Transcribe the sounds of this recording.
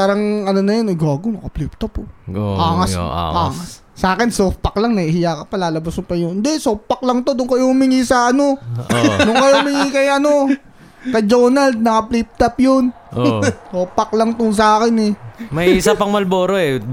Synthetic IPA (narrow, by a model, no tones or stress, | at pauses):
paːɾɐŋɐnonɐjonɛɡaːɡonɐkɐplip̚t̪ɐpokaːŋɐspaːŋɐsːʔaːkɪnsopːɐklɐŋnɐihɪjakɐpɐlaːlɐbɐsʊpɐjʊnd̪ɛsopːɐk̚lɐŋt̪od̪ʊŋkɐjomɪŋiːsaɐno̞ | nʊkɐjomɪŋikɐjʔɐno̞ | kɐjd͡ʒoːnɐld̪̚nɐkɐplip̚t̪ɐpjon | soːpːɐklɐŋt̪ʊns̬ɐaːkɪnɛmɐisɐpɐŋmɐlboːɾoɛ